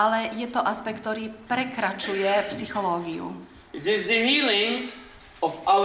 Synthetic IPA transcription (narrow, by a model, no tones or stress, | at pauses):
alɛjɛt̪ɔʔaspɛk̚t̪ːɔɾiːpɾɛkɾat͡ʃujɛpsixɔlɔːɡiṵ | ɪtɪzd̪əɦiːlɪ̃ŋ | ɔfa